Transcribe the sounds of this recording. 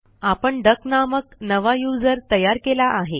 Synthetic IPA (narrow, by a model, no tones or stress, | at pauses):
apəɳɖəknaməknəʋajud͡zəɾt̪əjaɾkelaʔaɦe